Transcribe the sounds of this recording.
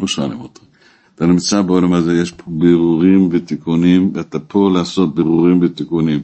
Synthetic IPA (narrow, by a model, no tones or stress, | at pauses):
moʃa̰lḭmot̪i | t̪animt͡sabeolamazejeʃpʰobeʁuʁimvet̪ikunimveat̪apʰo̞laaso̞t̪̚beʁuʁimvet̪ikunim